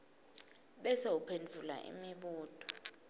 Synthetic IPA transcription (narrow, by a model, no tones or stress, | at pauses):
ɓɛseupʰend͡ɮʱula̰ʔḭmiɓuːd̥ʱʼɔ̥